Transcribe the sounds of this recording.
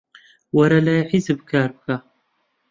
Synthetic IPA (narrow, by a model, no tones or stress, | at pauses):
wɐɾalaːjħizɨbkʰaːɾbɨka